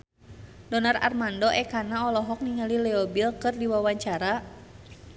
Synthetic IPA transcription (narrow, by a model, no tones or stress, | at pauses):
dɔnara̰rmandɔʔɛkanaɔlɔɦɔk̚niŋalilɛɔbilkɨrdiwawaɲt͡ʃaɾa